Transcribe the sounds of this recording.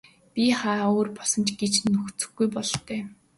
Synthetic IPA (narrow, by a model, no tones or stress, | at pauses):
pʲiχaːoːrpɔɮsɞ̆nt͡ɕɡet͡ɕnɵxt͡sɵ̥̆xɡɡujpɔɮt̪œː